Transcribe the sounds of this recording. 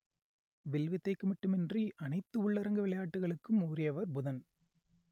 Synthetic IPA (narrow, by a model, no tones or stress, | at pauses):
ʋɪlʋɪt̪ːɐɪkːɯmɐʈːɯmɛndriʔɐnɐɪt̪ːɯʊɭːɐɾɐŋɡɐʋɪɭɐjaːʈːɯɣɐɭɯkːɯmuːɾɪjɐʋɐɾbʊðɐn